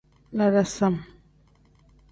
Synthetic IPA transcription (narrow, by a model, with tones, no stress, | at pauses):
la˨ɾa˨sa˦˨m